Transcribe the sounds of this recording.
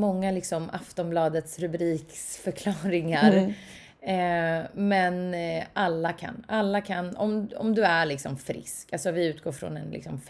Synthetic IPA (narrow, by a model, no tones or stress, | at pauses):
mɔŋːalɪksɔmaft̪ɔmblɑːd̪ət̪sɾɵbɾiːksfœɾkʰlɑːɾɪŋaɾ | mɛnalːakʰa̰nalːakʰanɔ̰mɔ̰md̪ɵæɾɭɪksɔ̰mfɾɪ̰skalsɔvɪʉ̟ːt̪̚ɡoːɾfɾɔ̰nɛ̰nlɪ̰ksɔmf